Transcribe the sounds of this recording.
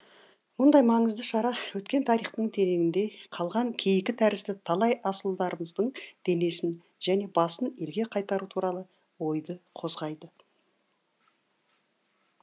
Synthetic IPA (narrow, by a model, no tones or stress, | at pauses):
mʊnd̪ɑjmɑɴəzd̪əʃɑɾɑwɵt̪kʲe̞nt̪ʰɑɾiχt̪əɴt̪ʰe̞ɾe̞ɡʲɪnd̪e̞qʰɑlˠʁɑŋkʲʰe̞jɪkʲɪt̪ʰæɾɪsd̪ɪt̪ʰɑlˠɑjʔɑsəlˠd̪ɑɾəməzd̪əɴd̪̥e̞ne̞sɪn | ʒ̥æne̞bɑsəne̞lɡʲe̞qʰɑjt̪ɑɾut̪ʰuɾɑlˠə | wo̞jd̪əqʰo̞zʁɑjd̪ə